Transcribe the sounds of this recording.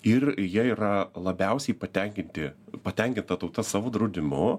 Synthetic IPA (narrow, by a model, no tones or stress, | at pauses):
ɪrjiɛiːɾɐlˠɐbʲɛʊsʲɛɪpɐt̪ʲɛŋʲkʲɪnʲt̪ʲɪpɐt̪ʲɛŋʲkʲɪnt̪ɐt̪ɐʊt̪ɐsɑːʋoːd̪ɾɐʊd̪ʲɪmʊ